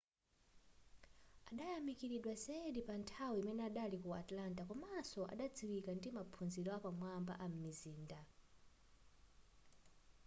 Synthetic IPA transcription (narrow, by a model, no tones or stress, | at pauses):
aɗajamikiɾiɗwasɛɗipantʰawiimɛnɛaɗalikua̰tlantakɔmasɔʔa̰ɗad͡ziwikandimapʰunzilɔapamwamba̰ʔam̩miziːnda